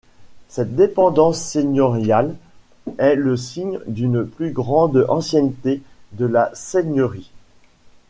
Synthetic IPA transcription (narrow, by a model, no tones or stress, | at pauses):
sɛt̪̚d̪epɑ̃d̪ɑ̃sːeɲɔʁjal | ɛləsiɲd̪ynplyɡʁɑ̃d̪ɑ̰̃sjɛnt̪ed̪əlaseɲəʁi